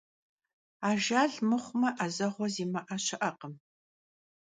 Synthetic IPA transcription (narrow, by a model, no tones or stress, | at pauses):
aːʒaːɮmɨχʷʊmɐʔɐzɐʁʷɔziːmɐʔɐɕɐʔɐqəm